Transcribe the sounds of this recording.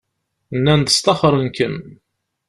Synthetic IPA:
nːænd̪ə̥st̪ɑχɾˤənkən

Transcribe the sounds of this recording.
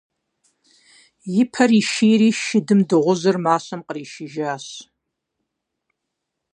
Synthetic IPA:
jɪpʰɐriːʃiːjɾiːʃɪdɨmdɨʁʷʊzɐrmaːɕɐmqəriːʃɪʒaːɕ

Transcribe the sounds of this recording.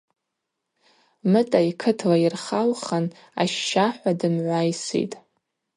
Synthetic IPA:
mɨtʼaikʰɨtʰlairχalχan | a̰ʃːaħᶣʷadɨmʕʷajsḭtʼ

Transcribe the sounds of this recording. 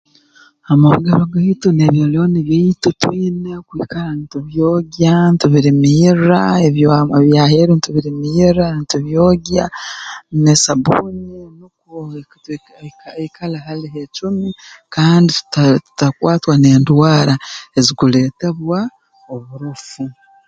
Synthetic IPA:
amaβɡeɾoɡaituneβjoːlo̞niβjaitutwiːnekwiːkalantuβjoːɡjantuβiɾimiiraeβjoβjaːheɾintuβiɾimijiɾantuβjoːɡja | nesabuːninukut | kikʰalahaliɦet͡ʃumikaːnditu̥tatu̥takwaːtwane̞ːndwaːɾae̞zikule̞ːte̞βwa | oβuɾufu

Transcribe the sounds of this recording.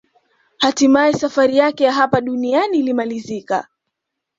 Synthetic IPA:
hatimaɛsafaɾijakɛjaɦapaɗunianiːlimalizika̰

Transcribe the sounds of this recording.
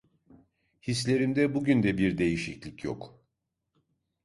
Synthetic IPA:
his̬lʲe̞ɾimd̪ɛbuɟynd̪ɛbiɾd̪e̞jiʃiclʲicʰjo̰k

